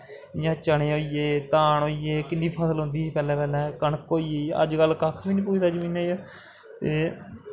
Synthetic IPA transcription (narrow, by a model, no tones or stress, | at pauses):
jãːt͡ʃəɳeːoːiːeːt̪aːɳoːieːkɪndiːpʰəːsəlɦʊ̃nd̪iːpɛːlɛ̃ːpɛːlɛ̃ːkəɳəkːoːiːeə̰d͡ʒɡəlkakʰbiːnĩːpuːt͡ʃʰt̪ad͡ʒmiːnẽːjoː | t̪eː